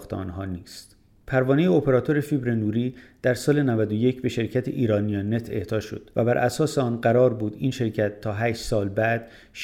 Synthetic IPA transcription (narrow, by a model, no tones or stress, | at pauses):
xt̪ʰḛɒ̰ːnɦɒːniːst̪ | pʰæɾvɒːnejeopʰe̞ɾɒːt̪ʰo̞ɾefibɾenuːɾiːd̪̥æɾsɒːle̞nævæd̪oje̞cʰbe̞ʃe̞ɾcʰæt̪ʰḛʔiːɾɒːnijɒne̞t̪ʰe̞̰ht̪ʰɒːʃo̞̰d̪̥væ̰bæɾʔæsɒːseɒːnɢæɾɒːɾbuːd̪iːnʃe̞ɾcʰæt̪ʰːɒːɦæːʃsɒːlbæd̪̥ | ʃ